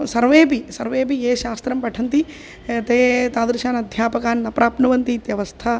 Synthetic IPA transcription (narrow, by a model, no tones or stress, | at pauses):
sɐɾʋeːpisɐɾʋeːpieːʃaːst̪ɾɐmpɐʈʰɐnt̪i | t̪eːt̪aːd̪ɾiʃaːnɐd̪ʱjaːpɐkaːnːɐpɾaːpnɐʋɐnt̪it̪jɐʋɐst̪ʰɐ